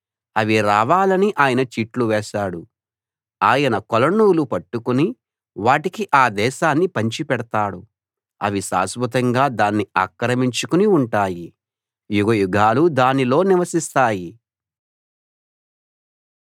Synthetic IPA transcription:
ɐʋiɾaːʋaːlɐniʔaːjɐnɐt͡ʃiːʈluʋɛːʃaːɽu | aːjɐnɐkolɐɳːuːlupɐʈːukuni | ʋaːʈikiʔaːd̪ɛːʃaːnːipɐɲt͡ʃipɛɽɐt̪aːɽu | ɐ̰ʋisa̰ːsbʱut̪ɐŋɡaːd̪aːnːiaːkɾɐmiɲt͡ʃukuniuɳʈaːji | juɡɐjuɡʱaːlud̪aːnilo̞ːniʋɐsist̪aːji

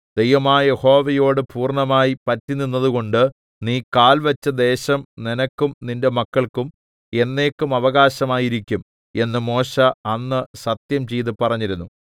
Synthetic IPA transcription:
d̪̥e̞jʋɐmaːje̞ho̞ːʋɐjo̞ːɽɨpuːrɳɐmaːjipɐtːininːɐðuɣo̞ɳɖɨ | niːkaːlʋɐt͡ɕːɐd̪e̞ːɕɐmninɐkːumninde̞mɐkːɐɭkum | e̞nːe̞ːkːumɐʋɐɣaːɕɐmaːjiɾikʲːum | e̞nːɨmo̞ːɕɐɐnːɨsɐt̪jɐmt͡ɕe̞jt̪ɨpɐrɐɲːiɾunːu

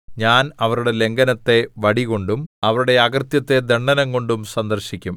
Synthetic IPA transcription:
ɲaːnɐʋɐɾuɽe̞le̞ŋɡɐnɐt̪ːe̞ʋɐɽiɣo̞ɳɖumɐʋɐɾuɽe̞ɐɡɐrt̪jɐt̪ːe̞d̪eɳːɐnɐŋko̞ɳɖumsɐnd̪ɐrɕikʲːum

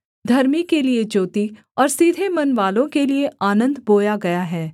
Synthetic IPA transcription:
d̪ʱɐɾmikelied͡ʒoːt̪i | ɔːɾsiːd̪ʱemɐnʋaːlõkelieaːnə̃nd̪ʱboːjaɡɐjaɦɛː

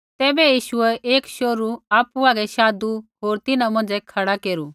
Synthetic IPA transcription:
t̪ɛːbɛjiːʃʊɛʔeːkʃoːɾuaːpuaːɡɛʃaːd̪uɦoːɾt̪ɪnãmɐ̃nd͡ʒɛkʰɐɽakeːɾuː

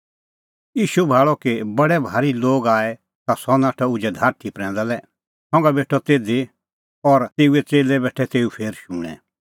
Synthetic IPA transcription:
iːʃubʱaːɭɔkebɐɽɛbʱaːɾiloːɡaːɛ | t̪asɔnaːʈʰɔʊd͡ʒɛd̪ʱaːɾt̪ʰipɾɛ̃ːnd̪alɛ | sɔ̃ːŋɡabeːʈʰɔt̪eːd̪i | ɔɾt̪eːuɛt͡seːlɛbɛːʈʰɛt̪eːupʰeːɾʃũːɽ̃ɛ̰̃

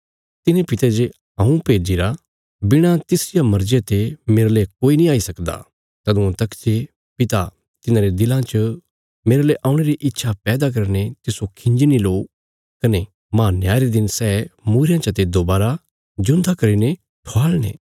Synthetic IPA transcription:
t̪ɪnepɪt̪ed͡ʒe | ɐ̃ũpeːd͡ʒiɾa | bɪɽ̃ãt̪ɪsɪjamɐɾd͡ʒet̪emeːɾlekoːinĩaːisɐkd̪a̰ | t̪ɐd̪ʊ̃ãt̪ɐkt͡ʃe | pɪt̪a | t̪ɪnãɾed̪ɪlãt͡ʃə | meːɾleʔaːʊ̃ɽ̃eɾiʔɪt̪ːʃʰapɛːd̪ak̬ɐɾnet̪ɪsokʰɪ̃ɲd͡ʒiniloː | kɐne | maːnjaːɾed̪ɪnsɛːmuːɾejãt͡ʃɐt̪ed̪oːbaːɾa | d͡ʒʊ̃nd̪akɐɾine | ʈʰoaːlñḛː

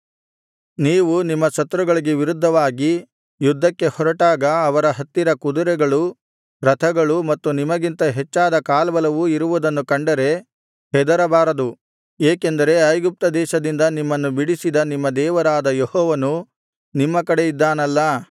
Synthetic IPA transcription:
niːʋunimːɐsɐt̪ːɾuɡɐɭiɡe̞ʋiɾud̪ʱːɐʋaːɡi | jud̪ʱːɐkːe̞hɔɾɐʈaːɡɐːʋɐɾɐɦɐt̪ːiɾɐkud̪uɾɛɡɐɭu | ɾɐt̪ʰɐɡɐɭumɐt̪ːunimɐɡint̪ɐɦet͡ʃːaːd̪ɐkaːlbɐlɐʋuiɾuʋud̪ɐnːukɐɳɖɐɾe̞ | hɛd̪ɐɾɐbaːɾɐd̪u | eːke̞nd̪ɐɾe̞ɐjɡup̚t̪ɐd̪ɛːʃɐd̪ind̪ɐnimːɐnːubiɽisid̪ɐnimːɐd̪ɛːʋɐɾaːd̪ɐjɔhɔːʋɐnu | nimːɐkɐɽe̞jid̪ːaːnɐlːɐ

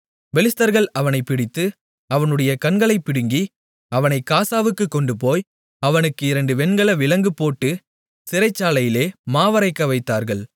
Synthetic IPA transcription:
ʋɛlɪst̪ɐɾɣɐɭɐʋɐnɐɪpːɪɽɪt̪ːɯ | ɐʋɐnɯɽɐjɐkɐɳɡɐɭɐɪpːɪɽɯŋɡi | ɐʋɐnɐɪkːaːsaːʋɯkːɯkːɔɳɖɯpoːj | ɐʋɐnɯkːɯɪɾɐɳɖɯʋɛnɡɐɭɐʋɪlɐŋɡɯpoːʈːɯ | sɪɾɐɪt͡ʃːaːlɐjɪleːmaːʋɐɾɐɪkːɐʋɐɪt̪ːaːɾɣɐɭ

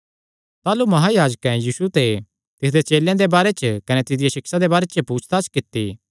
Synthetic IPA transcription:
t̪aːlumɐɦajaːd͡ʒəkɛ̃jiːsut̪e | t̪ɪs̬d̪et͡ʃeːljãd̪ebaːɾet͡ʃəkɐnet̪ɪd̪ɪjeʃɪksad̪ebaːɾet͡ʃəpuːt͡ʃʰt̪at͡ʃkɪt̪ːi

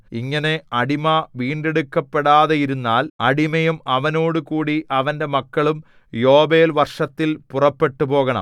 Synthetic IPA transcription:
iŋːɐne̞ɐɽimɐʋiːɳɖeɽukːɐpːeɽaːðɐjiɾunːaːlɐɽimɐjumɐʋɐno̞ːɽukuːɽiʔɐʋɐnde̞mɐkːɐɭum | jo̞ːbe̞ːlʋɐrʂɐt̪ːilpurɐpːe̞ʈːupo̞ːɣɐɳɐ̰m

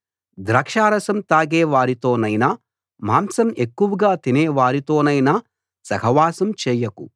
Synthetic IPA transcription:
d̪ɾɐːkʂaːɾɐsɐmt̪aːɡɛːʋaːɾit̪oːnɐjna | maːmsɐme̞kːuʋɐɡaːt̪inɛːʋaːɾit̪o̞ːnɐjna | sɐkɐʋaːsɐmt͡ʃɛːjɐku

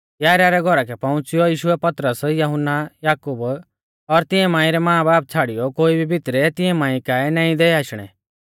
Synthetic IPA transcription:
jaːɾaɾɛɡʱɔɾakɛpɐ̃ʊ̃t͡sɪjɔjiːʃʊɛpɐt̪ɾəsjɐɦʊnːajaːkub | ɔɾt̪ɪ̃ɛ̃mãːĩɾɛmãːbaːp̚t͡sʰaːɽɪjɔkoːibʱibʱɪt̪ɾɛt̪ɪ̃ɛ̃mãːĩkaːɛnaːĩd̪ɛaːʃɽ̃ɛ̰

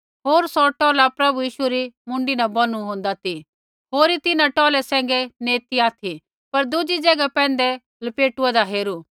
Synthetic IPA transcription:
ɦoːɾsɔʈɔːlapɾɐbujiːʃuɾimʊ̃ɳɖinabɐnuɦõːnd̪at̪ʰi | ɦoːɾit̪ɪnãʈɔːlɛsɛ̃ːŋ̆ɡɛneːt̪iaːt̪ʰi | pɐɾd̪ʊd͡ʒid͡ʒɐɡapɛ̃ːn̆d̪ɛ | lɐpeːʈuad̪aɦeːɾu

